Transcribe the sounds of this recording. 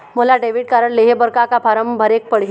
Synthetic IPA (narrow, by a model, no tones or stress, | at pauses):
məlaɖeʋiɽ̚kaɾəɳleɦebəɾkakapʰaɾəmbʱəɾek̚pəɽ̤ɦi